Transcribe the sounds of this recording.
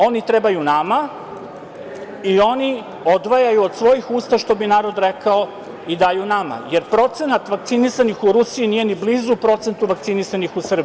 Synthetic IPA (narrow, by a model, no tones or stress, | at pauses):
o̞nit̪ɾebajunama | io̞ni | o̞d̪ʋajajuod̪sʋo̞jixuːst̪aʃt̪o̞binaːɾo̞d̪ɾekao | id̪aːjunama̰je̞ɾpɾo̞t̪se̞nat̪ʋak̚t̪sinisanixuɾusiinije̞niblizupɾo̞t̪se̞nt̪uʋakt̪sinisanixusr̩b